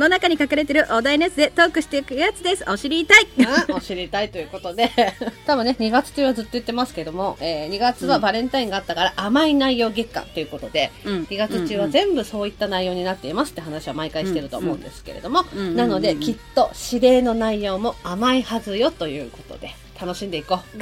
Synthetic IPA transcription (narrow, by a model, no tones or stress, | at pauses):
nonakaɲ̟ikakaɾe̞t̪̬e̞ɾɯ̟ʔod̪ainesɨd̪e̞t̪o̞ːkɯ̟ɕi̥t̪eikɯ̟jat͡sɨd̪e̞sɨʔo̞ɕiɾʲit̪aioɕiɾʲit̪ait̪o̞jɯ̟ːko̞t̪o̞d̪e̞t̪abɯ̟nːe̞ɲ̟iɡat͡sɨ̥t͡ɕɯːβazɨt̪ːo̞jɯ̟t̪ːe̞masɨ̥ke̞ed̪o̞mo̞eːɲ̟iɡat͡sɨβabaɾẽ̞nt̪aĩŋɡaːt̪ːakaɾaʔamainaijo̞ːɡekːã̰nt̪e̞jɯ̟ko̞t̪o̞d̪e̞ɲiɡat͡sɨt͡ɕɨːβazẽ̞mbɯ̟so̞ːit̪ːanaijo̞ːɲ̟inat̪ːe̞imasɨ̥t̪e̟hanaɕiβamaikaiɕit̪e̞ɾɯ̟t̪o̰ːmo̞̰ɯ̰̃nd̪e̞sɨ̥ke̞̰ɾe̞̰d̪o̞mo̞nano̞d̪e̞kʲit̪ːo̞ɕiɾe̞ːno̞naijo̞ːmo̞amaihazɨjo̞t̪o̞jɯ̟̰ːko̞̥t̪o̞̰d̪e̞ | t̪ʰano̞ɕĩnd̪e̞ikoː